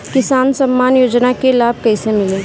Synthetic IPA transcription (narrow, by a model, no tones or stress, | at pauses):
kɪsaːnsɐmːaːnjoːd͡ʒnakelaːb̚kɐisemɪlẽː